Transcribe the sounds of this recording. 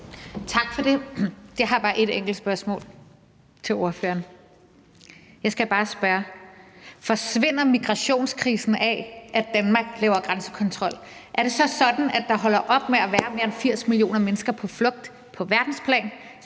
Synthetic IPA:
t͡sʰɑ̈ɡ̥fɒ̽d̥e̝d̥eɦɑ̈b̥ɑ̈ːʔe̝d̥eŋ̰ɡ̥l̩d̥sb̥ɶɐsmɔ̰ːl | t͡sʰe̝lo̝ɐfø̰ɐn | jɑ̈ɪsɡ̥æb̥ɑ̈ːsb̥ɶːɐ | fɒ̽sʋe̝n̰ɐmiɡ̥ʁɑ̈ɕo̝̰ːnskʰʁiːsn̩ɛʔæd̥ænmɑ̈ːɡ̥̚lɛ̰ːʊɐɡ̥ʁansə̥kʰɒ̽nt͡sʰʁɒ̽l̰ | ʔæɐɾ̥e̝sɒ̽sɒ̽d̥n̩æd̥ɑ̈ɦɒ̽l̰ɐʔɒ̽b̥meæʋæːɐme̝ːɐenfiɐ̰smilio̝̰ːnɐmenəsɡ̥ɐpʰɒ̽flɔ̽ɡ̥̚d̥ | pʰɒ̽ʋæɐd̥n̩spʰlɛ̰ːn

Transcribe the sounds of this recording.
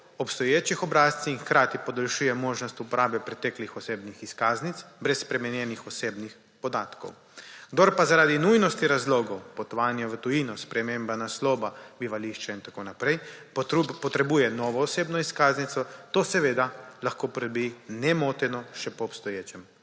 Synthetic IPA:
ɔpst̪ɔjeːt͡ʃixɔbɾaːst̪siinxkɾaːt̪ipɔd̪olʃuːjɛmoːʒnɔst̪upɔɾaːbɛpɾɛt̪ɛklixɔseːbnixiskaːznit̪sbɾɛsːpɾɛmɛnjɛnixɔseːbnix | pɔd̪aːt̪ko̰w | ɡd̪oɾpazaɾaːd̪inujnɔst̪iɾazloːɡɔwpɔt̪ɔʋaːnjaʋət̪ɔinɔspɾɛmeːmbanaslɔːbabiʋaliʃt͡ʃaint̪akonapɾɛj | pɔt̪ɾɛbuːjɛnɔʋɔːseːbnɔiskaːznit̪sɔt̪osɛʋeːd̪alaxkoːpɾɛd̪ɔbinɛmoːt̪ɛnɔʃɛpɔːpst̪ɔjeːt͡ʃɛm

